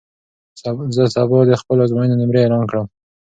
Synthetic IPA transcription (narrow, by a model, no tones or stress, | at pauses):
zəsɑbɑd̪əxpəlozmojənonɪmɾeːlɑnkɽəm